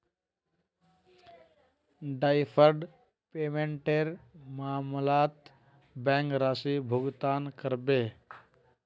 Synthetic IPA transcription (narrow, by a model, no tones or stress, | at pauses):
ɖajpʰəɾɖ | peːmẽɳʈeɾmaːmlaːt̪ | bɛ̃ŋkɾaːsibʱuɡt̪aːnkəɾbeː